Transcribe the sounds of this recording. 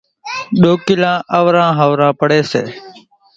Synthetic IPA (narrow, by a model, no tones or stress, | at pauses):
ɗoːkɪlãːʔəʋɾãːɦəʋɾãːpəɽeːsḛː